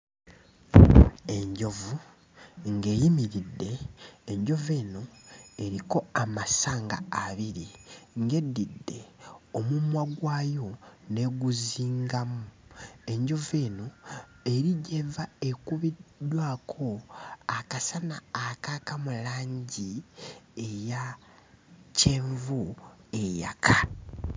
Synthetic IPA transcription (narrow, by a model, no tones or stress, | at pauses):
e̞ɲɟo̞vu | ŋɡe̞ːjimiɾidːe̞ːɲɟo̞ve̞ːno̞e̞ɾiko̞amasaːŋɡa̰ːβiɾiŋɡe̞dːidːe̞omumwaɡwaːjo̞ne̞ɡuziːŋɡamue̞ɲɟo̞veːno̞ | e̞ɾiɟe̞vae̞kuβidwaːkʰo̞akasanaːkakamulaːɲɟi | eja | ce̞ːɱvue̞ja̰kʰa